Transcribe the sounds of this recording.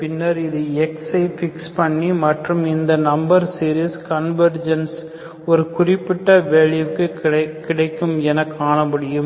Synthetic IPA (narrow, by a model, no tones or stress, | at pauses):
pɪnːɐɾɪðɯɛksɐɪfɪkspɐɳːimɐʈrɯmɪnd̪ɐnɐmbɐɾsiːɾiskɐnʋɐɾd͡ʒɐns | ɔɾɯkʊrɪpːɪʈːɐʋeːɻɪjɐkːɯɐkːɪɽɐɪkːɯmɛnɐkːaːɳɐmʊɽɪjɯm